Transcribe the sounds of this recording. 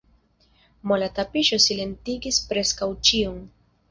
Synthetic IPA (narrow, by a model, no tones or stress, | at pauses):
molatapiʃo̞sile̞ntiɡispɾe̞skawt͡ʃiun